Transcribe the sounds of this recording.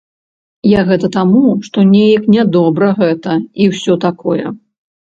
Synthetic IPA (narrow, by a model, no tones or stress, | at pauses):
jaɣɛt̪ɐt̪amuʂt̪ɔnʲejɐknʲɛd̪ɔbɾɐɣɛt̪ɐiwsʲɔt̪akɔjɛ̰